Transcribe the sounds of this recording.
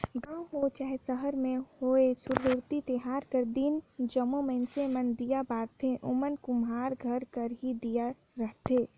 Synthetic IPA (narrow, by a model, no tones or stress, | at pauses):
ɡãːũɦot͡ʃaːɦesəɦəɾmẽhoesʊɾɦuɾt̪it̪əɦaːɾkəɾd̪ind͡ʒəmomənsemənd̪ijabaːɾt̪ʰẽʔomənkumaːɾɡʱəɾkəɾɦid̪ija | ɾəɦt̪ʰe